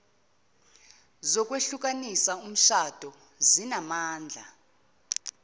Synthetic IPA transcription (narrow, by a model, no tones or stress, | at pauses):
zɔkʼweɬuk̬ʼanisaum̩ʃad̥ʱɔ | zinamaːnd͡ɮʱa